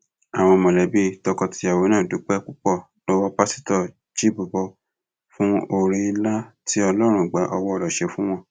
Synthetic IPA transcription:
a˨w̃ɔ̃˧mɔ̃˨lɛ˨˦bi˦tɔ˧kɔ˧ti˧˦a˨wo˨˦nãː˦˨du˨˦k͡pɛ˦k͡pu˦k͡pɔ˦˨ | no˦wɔ˦˧pa˦si̥˦tɔ˦˨ | d͡ʒi˦bu˨bɔ˧ | fũ˦o˧ɾi˧la˦ti˦ɔ˧lɔ˦ɾ̃ũ˧˨ɡ͡ba˨˦ʔɔ˧wɔ˦ɔ˧ɾɔ˨ʃɛ˨˧fũ˦w̃ɔ̃˧

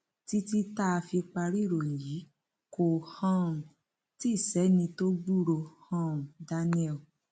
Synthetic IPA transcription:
ti˦ti˦ta˦a˧fi˧k͡pa˧ɾi˦˨ɾo˨ji˨˦ | ko˨hã˦˨ | ti˦˨sɛ˨˦nĩ˧to˦ɡ͡bu˦ɾo˧˨hã˦˨da˦nĩ˦ɛ˦˨l

